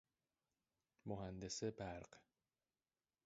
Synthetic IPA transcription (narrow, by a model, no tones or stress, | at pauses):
moɦænd̪esebæɾɢ